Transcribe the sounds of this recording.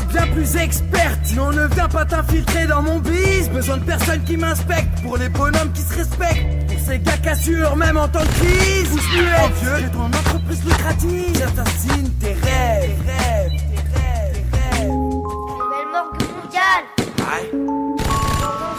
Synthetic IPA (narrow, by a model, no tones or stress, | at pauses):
bjɛ̃plyzɛkspɛʁt̪eɔ̃nəvjɛ̃pat̪ɛ̃filt̪χed̪ɑ̃mɔ̃visbəzwɛ̃d̪əpɛʁsɔnkʲimɛ̃spɛk̚t̪puʁlebɔnɔmkʲisəʁɛspɛk̚t̪ | seɡakasyʁmɛmɑ̃t̪ɑ̃kχizsyɛd̪jøet̪ɔ̃nɑ̃t̪χəpχizlək̪χat̪iat̪ɛ̃sint̪eʁɛʁɛvt̪eʁɛʁɛv | ɛlmɔʁkəmɔ̃d̪jalɛ